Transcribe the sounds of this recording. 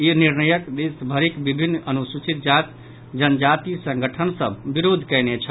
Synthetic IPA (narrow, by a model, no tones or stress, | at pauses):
iniɾnəjəkd̪esbʱəɾikbibʱinːənusut͡ʃit̪̚d͡ʒat̪ | d͡ʒənəd͡ʒat̪isə̃ŋɡəʈʰənsəbbiɾod̪ʱkɛjnet͡ʃʰə